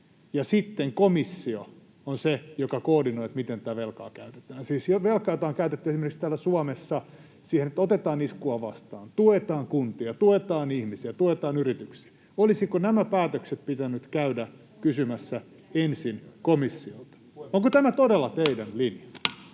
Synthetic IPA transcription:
jɑsit̪ːeŋkomisːio | onsejokɑkohdinoiet̪mit̪ent̪æːʋelkɑːkæyt̪e̥t̪æːnsiːsjoʋelkːˑɑjot̪ɑoŋkæyt̪et̪ːyesimerkikst̪ælːæsuɑmesːɑ | siːhenet̪ot̪et̪ɑːniskuɑʋɑst̪ɑːnt̪uet̪ɑːŋkunt̪iɑt̪uet̪ɑːnihmisiɑt̪uet̪ɑːnyrit̪yksi̥ː | olisikonæmæpæːt̪økset̪̚pit̪ænyt̪kæydæ | kysymæsːæ | ensinkomisːiolt̪ɑ̥oŋkot̪æmæt̪odelːɑt̪eidænlinjɑ̥

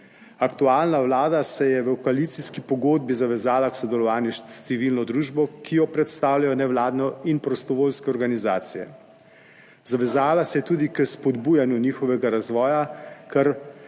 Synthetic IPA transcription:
akt̪uaːlnaʋlaːd̪asɛjɛʋəkɔalit̪siskipɔɡoːd̪̚bizaʋɛzaːlaksɔd̪ɛlɔʋaːnjut̪siʋilnɔd̪ɾuːʒbɔkʰijɔpɾɛt̪st̪aːwlʲjajɔnɛʋlaːd̪nɔinpɾɔst̪ɔʋoːlskɛɔɾɡanizaːt̪sijɛ̰ | zaʋɛzaːlasɛjɛt̪uːd̪ikəspɔd̪buːjanjuniːxɔʋɛɡaɾazʋɔːjakəɾ

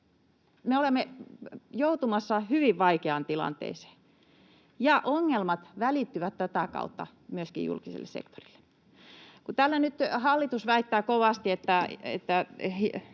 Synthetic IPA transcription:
meolemːe | jout̪umɑsːɑhyʋiʋʋɑikeɑnt̪ilɑ̰nt̪ḛise̥ː | jɑʔoŋːelmɑt̪ʋælit̪ːyʋæt̪t̪æt̪æˑkɑ̰ut̪ːɑ̰ | myøskḭjṵlkisḛlːḛsḛkt̪o̥ri̥l̥ːe̥ | kut̪ælːænyt̪hɑlːit̪usʋæit̪ːæːkoʋɑˑst̪iet̪ːæḛt̪ːæhi

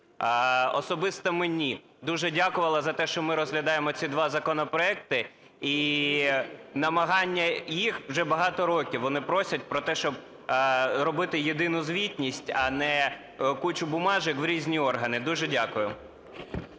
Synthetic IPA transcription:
ɔ̰sɔbɪst̪ɐmenʲi | d̪uʒɛdʲakʊʋɐlˠɐzɐt̪ɛʃt͡ʃɔmɪɾɔzɦlʲɐd̪ɑjemɔt͡sʲid̪ʋɑzɐkɔnɔpɾɔɛk̚t̪ɪ | i | nɐmɐɦɑnʲːɐjixwʒɛbɐɦɑt̪ɔɾɔkʲiwʋɔnɪpɾɔsʲɐt̚ʲpɾɔt̪ɛʃt͡ʃɔb̚ | ɾɔbɪt̪ɪjed̪ɪnʊzʋʲitʲnʲisʲtʲɐnɛ | kut͡ʃʊbʊmɑʒɪkʋɾʲizʲnʲiɔrɦɐnɪd̪uʒɛdʲakʊjʊ

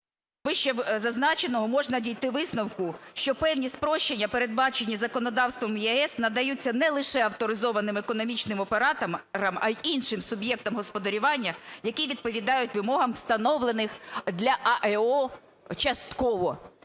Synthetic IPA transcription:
ʋɪʃt͡ʃɛzɐznɑt͡ʃe̞nɔɦɔmɔʒnɐdʲijt̪ɪʋɪsnɔwkʊʃt͡ʃɔpɛwnʲispɾɔʃt͡ʃːenʲːɐpeɾe̞d̪̚bɑt͡ʃenʲːizɐkɔnɔd̪ɑwst̪ʋɔmjɛɛsnɐd̪ɐjut͡sʲːɐnɛlˠɪʃɛɐwt̪ɔɾɪzɔʋɐnɪmekɔnɔmʲit͡ʃnɪmɔpeɾɑt̪ɐmɾɐmɐjinʃɪmsʊbʲjɛk̚t̪ɔmɦɔspɔd̪ɐɾʲiʋɑnʲːɐjɐkʲiʋʲid̪̚pɔʋʲid̪ɑjʊtʲʋɪmɔɦɐmst̪ɐnɔʋlˠenɪxd̪lʲɐʔɐʔɛɔ | t͡ʃɐst̪kɔʋɔ

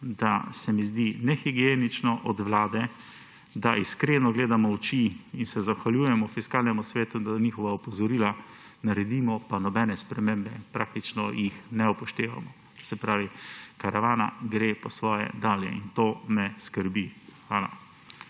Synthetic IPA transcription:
d̪asɛmizd̪inɛxiɡijeːnit͡ʃnɔʔɔd̪ʋlaːd̪ɛ | d̪aiskɾeːnɔɡleːd̪amɔɔt͡ʃiinsɛzaxʋaljuːjɛmɔfiskaːlnɛmusʋeːt̪ud̪aniːxɔʋaɔpɔzɔɾiːla | naɾɛd̪iːmɔpanɔbɛnɛspɾɛmeːmbɛpɾaːk̚t̪it͡ʃnɔjixnɛɔpɔʃt̪eːʋa̰mɔ | sɛpɾaːʋikaɾaʋaːna̰ɡɾepɔsʋɔːjɛ̰d̪aːljɛ̰int̪oːmɛskəɾbixʋaːla̰

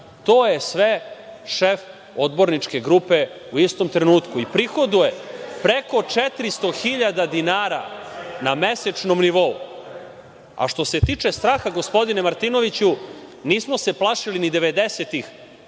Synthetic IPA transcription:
t̪oːje̞sʋe̞ʂef | od̪bo̞ɾnit͡ʃke̞ɡɾupe̞ | uist̪o̞mt̪ɾe̞nuːt̪kuipɾixo̞d̪uje̞pɾe̞ko̞t͡ʂet̪ɾist̪o̞xiʎad̪ad̪inaːɾa̰nameset͡ʃnomniʋo̞ṵ | a̰ʃt̪o̞se̞t̪iːt͡ʂe̞st̪ɾaːxaɡo̞spo̞d̪inemaɾt̪ino̞ʋit͡ɕuniːsmo̞se̞plˠaʃilinid̪e̞ʋed̪eset̪ix

